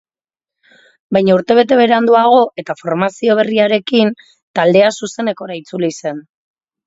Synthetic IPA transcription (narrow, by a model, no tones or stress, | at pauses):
bajɲauɾt̪e̞β̞e̞t̪e̞β̞e̞ɾeand̪uaɣ̞o̞ʔe̞t̪afo̞ɾmasio̞β̞e̞riaɾe̞kin | t̪ald̪e̞asuse̞ne̞ko̞ɾait͡sulise̞n